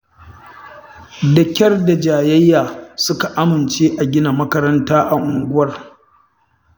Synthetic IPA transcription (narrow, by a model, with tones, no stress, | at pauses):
dɐ˨kʲɐ˦rda˨d͡ʒaː˨jɐ˦jːaː˨sʊ˦ka˨ʔa˦mɪ˨nt͡ʃeː˦ʔa˨ɡʲɪ˦na˨mɐ˦kɐ˦ɾɐ˦ntaː˦ʔa˨ʔʊ˨ŋɡʷʊ˦wɐ˨r